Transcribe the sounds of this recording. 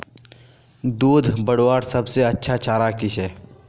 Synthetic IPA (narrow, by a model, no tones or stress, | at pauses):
d̪uːd̪ʱbəɽwaːɾsɐbseɐtːʃʰat͡ʃʰaːɾakɪʃɛː